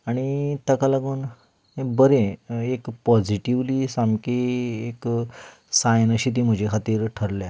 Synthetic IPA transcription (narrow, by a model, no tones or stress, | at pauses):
aɽ̃it̪əkalaɡuːn | ebəɾeekpɔd͡ʑiʈiʋlisamkiek | sajnəɕit̪̬im̤əd͡ʑekʰat̪iːɾʈʰəɾlja